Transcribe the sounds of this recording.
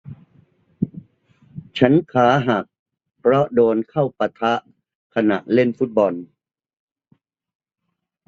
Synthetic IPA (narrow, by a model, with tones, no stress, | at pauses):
t͡ɕʰa˦˥nkʰaː˩˦ɦa˨˩k̚ | pʰɾɔ˦˥doː˧nkʰa˥˩wpa˧t̪ʰa˦˥ʔ | kʰa˧na̰˨˩ʔle˥˩nfu˦˥t̪̚bɔ˧n